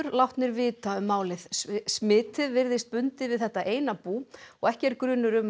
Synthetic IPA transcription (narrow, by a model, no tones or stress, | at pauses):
ʏɾlawht̪nɪɾvɪːt̪aʏmːaːwlɪðsmɪːt̪ɪðvɪɾðɪst̪̚pʏnt̪ɪvɪðθɛht̪aʔeːjnapuːɔɣɛhcɛɾkɾʏːnːʏɾʏm